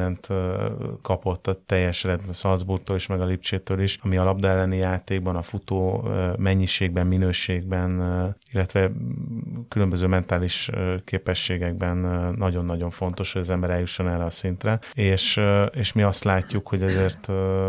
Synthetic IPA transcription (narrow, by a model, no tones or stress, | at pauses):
ɛnt̪ | kɒpo̞t̪ːɒt̪ɛjːɛʃrɛd̪̚bsɒlzburk̚t̪oːliʃmɛɡɒlip̚t͡ʃeːt̪øːliʃɒmiɒlɒbd̪ɒɛlːɛnijaːt̪eːɡbɒnɒfut̪oːmɛɲːiʃeːɡbɛmːinøːʃeːɡ̚bɛnilːɛt̪ʋɛ | kylømbøzøːmɛnt̪aːliʃkeːpɛʃːeːɡɛɡ̚bɛnːɒɟo̞nːɒɟo̞ɱfo̞nt̪o̞ʃho̞ɟɒzɛmbɛɾɛljuʃːo̞nɛrːɛɒsint̪rɛeːʃeːʃmiɒst̪laːcːukho̞ɟɒzeːrt̪ː